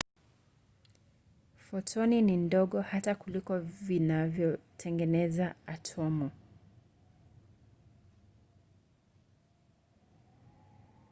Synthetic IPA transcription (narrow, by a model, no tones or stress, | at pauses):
fɔtʰɔninindɔɠɔhatakulikɔvinavjɔtʰɛŋɡɛnɛzaatʰɔmɔ